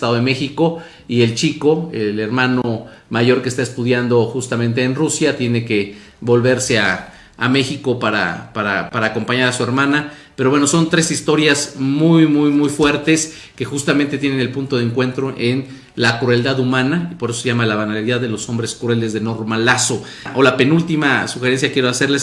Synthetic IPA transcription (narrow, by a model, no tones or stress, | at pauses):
t̪aðoðeme̞xiko̞ | ie̞lt͡ʃiko̞ele̞ɾmãno | maʝo̞ɾkest̪ae̞st̪uðjand̪o̞xust̪amẽnt̪̬e̞ːnrusjat̪je̞ne̞ke̞ | βo̞lβe̞ɾse̞aː | me̞xiko̞paɾa̰paɾapaɾaːko̞mpaɲaɾasue̞ɾmãnapeɾo̞βweno̞so̞nt̪ɾe̞sist̪o̞ɾjazmujmujmujfwe̞ɾt̪e̞s | ke̞xust̪amẽnt̪e̞t̪je̞nene̞lpunt̪o̞ðeŋkwe̞nt̪ɾo̞ʔe̞n | lakɾue̞ld̪aðumãnaipo̞ɾesoseʝamalaβanaliðaððe̞lo̞so̞mbɾe̞skɾue̞lezðe̞no̞ɾmalaso̞ | ʔolape̞nult̪imasuxe̞ɾe̞ns̬jakjeɾoase̞ɾles